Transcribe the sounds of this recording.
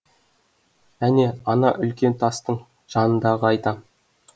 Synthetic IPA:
æne̞ɑnɑʔʏlkʲe̞nt̪ʰɑst̪əɴ | ʒ̥ɑnənd̪ɑʁəɑjt̪ɑ

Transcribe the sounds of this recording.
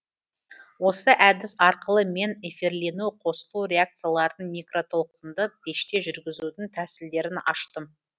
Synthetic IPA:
wo̞səʔæd̪ɪsɑɾqəlˠəme̞ne̞feɾle̞nuqʰo̞səlˠuɾʲe̞ak̚t̪sɨjalˠɑɾd̪əɴmʲijkro̞t̪ʰo̞lˠqənd̪əb̥e̞ʃt̪e̞ʒʏɾɡʲɪzud̪ɪŋt̪ʰæsɪld̪e̞ɾɪnɑ̰ʃt̪əm

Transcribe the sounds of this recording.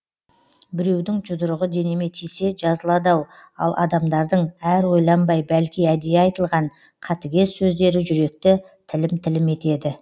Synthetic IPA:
bɪɾe̞wd̪ɪŋd͡ʒʊd̪əɾəʁəd̪e̞neme̞t̪ʰijse̞ʒɑzəlˠɑd̪ɑw | ɑ̰lˠʔɑ̰d̪ɑmd̪ɑɾd̪əɴæɾwo̞jlˠɑmbɑjbælkʲijæd̪ejeɑjt̪əlˠʁɑɴ | qʰɑt̪ɪɡʲe̞sːɵzd̪e̞ɾɪʒʏɾe̞k̚t̪ɪ | t̪ʰɪlɪmt̪ʰɪlɪme̞t̪e̞d̪ɪ

